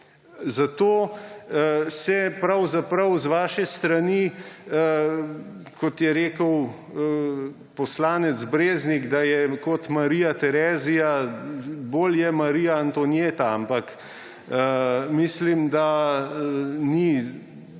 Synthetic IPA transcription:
zat̪oː | sɛpɾɐwzapɾɐwzʋaːʃɛst̪ɾani | kɔt̪jɛɾeːkəw | pɔslaːnɛt̪zbɾeːzniɡd̪ajɛkɔt̪maɾiːjat̪ɛɾɛːzija | boːljɛmaɾiːjaːnt̪onjeːt̪aampak | əmislimd̪a | ni

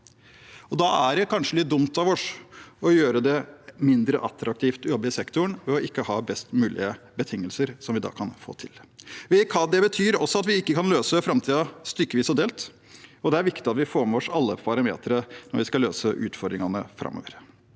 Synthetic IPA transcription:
ɔd̪ɑæɖɛkʰɑnʂəlɪt̪̚d̪ʊmt̪ɑʋɔʂɔjøːɾəd̪ɛmɪnd̪ɾəʔɑt̪ɾɑk̚t̪ʰiːft̪jɔbːəɪsɛkt̪ʊɳʋɛɔʔɪkːəhɑːbɛst̪mʉːlʔɪ̰əbət̪ʰɪŋːəlsəɾsɔmʋɪd̪ɑ̰ːkʰɑnfo̰ːt̪ʰɪ̰lʋɛkʰɑd̪ɛbət̪ʰyːɾɔsːɔɑt̪ʋɪɪkːəkʰɑnløːsəfɾɑmt̪ʰiːd̪ɑst̪ʏɾkːəʋiːsɔd̪eːlt̪ | ɔd̪ɛæɾʋɪkt̪ɪɑt̪ʋɪfoːɾmɛʋɔʂɑlːəppʰɑɾɑmḛːt̪əɾənɔɾʋɪskɑlø̰ːsəʔʉ̰ːt̪fɔɾd̪ɾɪŋɑnəfɾʔɑ̰mø̰ːʋəɾ

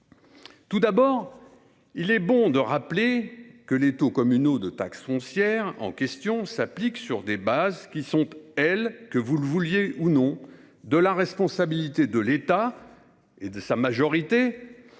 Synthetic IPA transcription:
t̪ud̪abɔːʁ | ilɛbɔ̃d̪əʁaplekəlet̪okɔmynod̪ət̪a̰ksfɔ̃sjɛʁɑ̰̃kʲɛst̪jɔ̃sapliksyʁd̪ebazkʲisɔ̃t̪ɛlkəvuləvuljeʔunɔ̃ | d̪əlaʁɛspɔ̃sabilit̪ed̪əlet̪a | ed̪əsamaʒɔʁit̪e

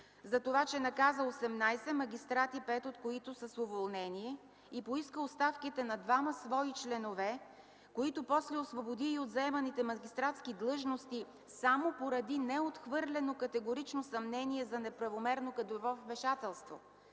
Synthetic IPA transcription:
zɐt̪ovat͡ʃɛnɐkazəosɛmnajsɛmɐɡ̟ʲist̪ɾat̪ipɛt̪ot̪koit̪ʊsəsovolˠnɛniɛ | ipoiskəost̪afkit̪ɛnɐd̪vamɐsvɔit͡ʃlɛnovɛ | koit̪ʊpɔslɛosvobod̪iːod̪zɐɛmɐnit̪ɛmɐɡʲist̪ɾat̪skid̪lˠɤʒnost̪i | samopoɾɐd̪inɛot̪xvɤɾlʲɛnokɐt̪ɛɡoɾit͡ʃnosɐmnɛniɛzɐnɛpɾɐvomɛɾnokɐd̪ovɔvmɛʃat̪ɛlˠst̪vo̰

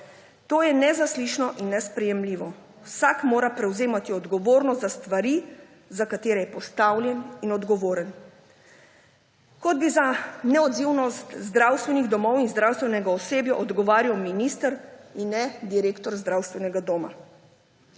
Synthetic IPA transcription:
t̪oːjɛnɛzasliːʃnɔʔinːɛspɾɛjɛmliːʋɔ | wsakmoːɾapɾɛwzeːmat̪iɔd̪ɡɔʋoːɾnɔst̪zast̪ʋaɾi | zakat̪eːɾɛjɛpɔst̪awlʲjɛninɔd̪ɡɔʋoːɾən | kɔd̪̚bizanɛɔd̪ziwnɔst̪zd̪ɾaːwst̪ʋɛniɣd̪ɔmɔwinzd̪ɾawst̪ʋɛnɛɡaɔseːbjɔʔɔd̪ɡɔʋaːɾiwminist̪əɾinːɛd̪iɾeːkt̪ɔɾzd̪ɾawst̪ʋɛnɛɡad̪oːma̰

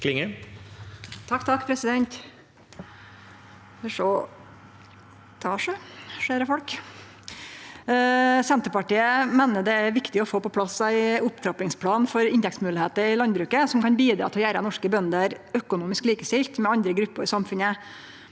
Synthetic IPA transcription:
kʰlɪŋə | t̪ʰɑkːt̪ʰɑkːpʰɾɛsɪd̪ɛnt̪ | ɛʂɔ | t̪ʰɑːʂəʂæːɾəfɔlk | sɛnt̪əɾpɑʈiːəmeːnəd̪ɛæɾʋɪkt̪ɪɔfoːpɔpʰlɑsæɪʊpt̪ʰɾɑplɪŋspʰlɑːnfɔɾɪnt̪ɛkt̪smʉːlɪheːt̪əɾɪlɑnbɾʉːkəsɔmkɑnbiːd̪ɾɑ̰ːt̪ɪɔjæːɾənɔʂkəbœnd̪əɾœkʊnuːmɪskliːkəst̪ɪlt̪mɛɑnd̪ɾəɡɾʉpːəɾɪsɑmfʉnə

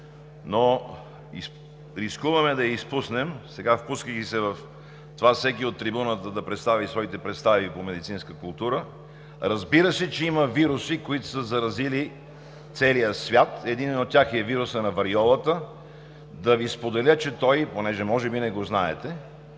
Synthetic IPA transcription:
no | is | ɾiskuvɐmɛd̪ɐjəispusnɛmsɛɡafpuskəkisɛvɐf | t̪ovafsɛkiot̪ːɾibunət̪əd̪ɐpɾɛt̪st̪avisvɔit̪ɛpɾɛt̪st̪avipomɛd̪it̪sinskəkʊlˠt̪uɾə | ɾɐzbiɾəsɛt͡ʃɛiməviɾusikoit̪ʊ̥səzɐɾɐzili | t̪sɛlijəsvʲjat̪ɛd̪inɛnot̪̚ːʲjaxɛviɾʊsənɐvɐɾiɔlˠət̪ə | d̪ɐvispod̪ɛlʲət͡ʃɛt̪ɔjponɛʒɛmɔʒɛbinɛɡoznaɛt̪ɛ

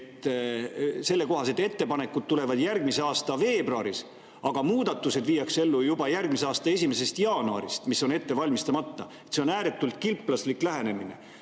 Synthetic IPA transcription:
t̪ːˑ | se̞lːe̞ko̞ɦɑse̞d̪ˑe̞t̪ːe̞pɑne̞kːud̪̚t̪ule̞vɑd̪̥jærɡmiseɑːst̪ɑve̞ːbruɑɾis | ɑɡ̥ɑmuːd̪̥ɑt̪ːuse̞d̪̥viːjɑkse̞lːujubɑjærɡ̥mis̬eɑːst̪ɑe̞sʲime̞se̞st̪jɑːnuɑ̰ɾist̪misːo̞ne̞t̪ːe̞vɑlʲmist̪ɑmɑt̪ːɑet̪ːse̞o̞næːɾet̪ːˑult̪̚ˑkilpˑːlɑsliklæɦe̞ne̞mine̞̰

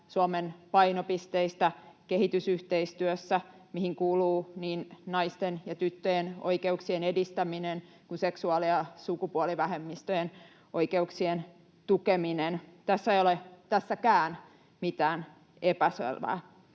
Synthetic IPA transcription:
suomenpɑinopist̪eist̪ækehit̪ysyht̪eist̪yøsːæmihiŋkuːluːniːnnɑist̪enjɑt̪yt̪ːøjeno̰ikeuksienedist̪æminen | kunseksuɑliɑsukupuoliʋæhemːist̪øjen | oikeuksien | t̪ukeminent̪æsːæeijolet̪æsːækæːn | mit̪æːn | epæsḛlʋæ̰ː

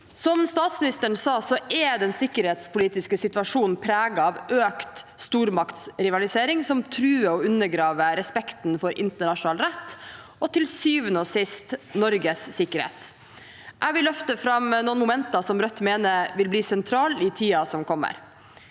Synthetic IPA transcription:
sɔmst̪ɑːt̪smɪnɪst̪əɳ̩sɑːsɔʔɛd̪ɛnsɪkːəɾheːt̪spʰʊliːt̪ɪskəsɪt̪ʋɑʂuːnn̩pʰɾæːɡɑɑʋʔøːkt̪st̪uːɾmɑkt̪sɾɪʋɑlɪseːɾɪŋsɔmt̪ʰɾʉːəɔʉnːəɡɾɑːʋəɾɛspɛkt̪n̩fɔɾʔɪ̰nt̪əɳɑʂʊnɑːlɾɛt̪ː | ɔt̪ʰɪlsyːʋənoːsɪst̪nɔɾɡəsːɪkːəɾhḛːt̪ | ʔæʋɪlœft̪əfɾɑmnuːnmʊmɛnt̪ɑsɔmɾœt̪ːmeːnəʋɪlbliːsɛnt̪ʰɾɑːlɪt̪ʰiːɑsɔmkʰɔmːə̰ɾ

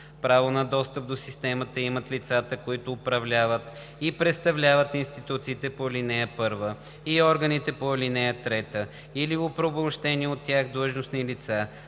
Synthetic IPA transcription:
pɾavonɐd̪ɔst̪əp̚d̪osist̪ɛmət̪əimət̪lit̪sat̪əkoit̪ʊːpɾɐvlʲavət̪ | ipɾɛt̪st̪ɐvlʲavət̪inst̪it̪ut̪siːt̪ɛpolinɛjəpɤɾvə | iɔɾɡɐnit̪ɛpolinɛjət̪ɾɛt̪ə | iliopɾobomʃt̪ɛniɛot̪ːʲjaxd̪lˠəʒnosnilit̪sa

